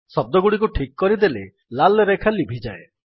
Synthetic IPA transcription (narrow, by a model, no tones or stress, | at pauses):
sɔb̚d̪ɔɡuɽik̬uʈʰikkɔɾid̪ele | lalɾekʰalibʱid͡ʒae